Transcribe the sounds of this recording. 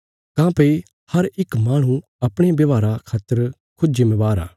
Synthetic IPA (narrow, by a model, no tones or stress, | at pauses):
kãːpei | hɐɾɪkmaːɽ̃ũ | ɐpɽ̃ebɐʋaːɾakʰaːt̪ːəɾ | kʰʊd͡ʒemɛ̃ʋaːɾa̰ː